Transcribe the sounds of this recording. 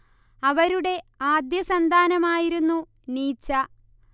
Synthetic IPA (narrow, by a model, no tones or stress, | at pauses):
ɐʋɐɾuɽe̞aːd̪jɐsɐnd̪ʱaːnɐmaːjiɾunːu | niːt͡ɕːɐ